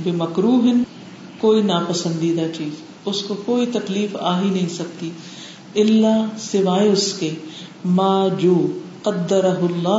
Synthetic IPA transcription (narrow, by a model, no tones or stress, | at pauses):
bɪmɐkɾuːɦɪn | koːinaːpɐsə̃nd̪iːd̪at͡ʃiːz | ʊskokoːit̪ɐkliːfaːɦinɐ̃ɦĩsɐk̚t̪i | ɪlːaːsɪʋaːeʊske | maːd͡ʒoːqɐd̪ːɐɾɐɦʊlːaː